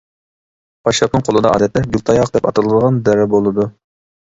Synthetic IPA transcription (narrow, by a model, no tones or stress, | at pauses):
pʰɑʃlˠɑpnɨŋqʰolˠɨd̪ɑʔɑ̰ːd̪ɛt̪lɛɡʲulˠt̪ʰɑjɑqd̪ɛpɑt̪ɨlˠɨd̪əʁɑnd̪ɛɾɛbolˠɨd̪u